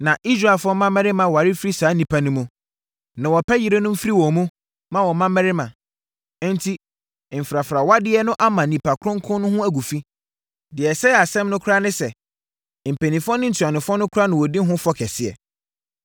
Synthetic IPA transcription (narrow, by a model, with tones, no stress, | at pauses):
nã˨ʔi˦s̬ɾa˨ɪ˨fɔ̃˦mã˦mɛ˦ɾɪ˦mã˨wa˨ɾi˦fɾi˦saː˨˦nĩ˨pʰa˨nʊ̃˦mũ˨ | nã˨wɔ˨pʰɛ˦jɪ˨ɾe˦nʊ̃˦m̩˦fi˦ɾi˦wɔ̃˨mũ˦ | mã˦wɔ˨mã˦mɛ˦ɾɪ˦mã̰˨˦ | n̩˦tʰi˦˨ | m̩˨fɾa˨fɾa˨wa˦dɪ˦ɛ˦nʊ̃˦ʔa˦mã˨nĩ˨pʰa˨kʰɾʊ̃˦ŋ̩˦kʰʊ̃˦n˦nʊ̃˦hʊ̃˦æ˨ɡu˨fi˦ | dɪ˨ɛ˨sɛ˦˨a˨sɛ̃˦mnʊ̃˦kʰa˦nɪ̃˦sɛ˨ | m̩˨pʰe˨nĩ˨fɔ˦nʊ̃˦n̩˨tʰa˨nɪ̃˨fɔ˦nʊ̃˦kʰʊ˦ɾa˦nʊ̃˨wɔ˨di˦ɦʊ̃˦fɔ˦kʰɛ˨sɪ˦ɛ̰˨